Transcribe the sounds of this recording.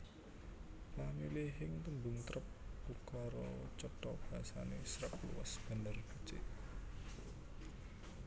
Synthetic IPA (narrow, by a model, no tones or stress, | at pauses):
lamileɦɪŋt̪umbuŋt̪ɾəp̚b̥ukaɾɔ̰t͡ʃɔʈ̪ɔb̥iasanḛsɾəp̚lṵwa̰sb̥a̤nərb̥it͡ʃḛ